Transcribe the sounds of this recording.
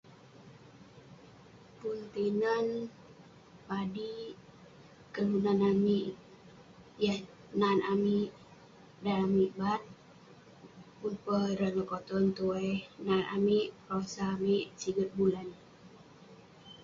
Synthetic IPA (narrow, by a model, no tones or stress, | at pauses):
punt̪inan | padi | kəlunanamiʔ | ja | nanami | daamiʔbat̪̚ | punpəɾaɲəkɔt̪ɔnt̪uɛnanʔa̰miʔrɔsamiʔsiɡət̪̚bulan